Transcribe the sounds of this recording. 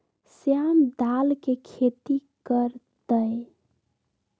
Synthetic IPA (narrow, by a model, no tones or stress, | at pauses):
sjamd̪alkekʰet̪ikəɾt̪əj